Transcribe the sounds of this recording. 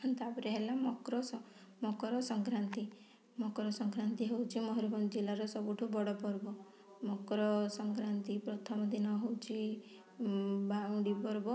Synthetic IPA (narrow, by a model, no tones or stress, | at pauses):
nt̪abɔɾeɦelamɔkɾɔs | mɔkɔɾɔsɔŋkɾant̪i | mɔkɔɾɔsɔŋkɾant̪iɦewt͡ʃʰimɔɦɔɾɔbɔnd͡ʒilaɾɔsɔbuʈʰubɔɽɔpɔɾbɔ | mɔkɾɔsɔŋkɾant̪ipɾɔt̪ʰɔmɔd̪inɔɦewt͡ʃʰi | baũɽipɔɾbɔ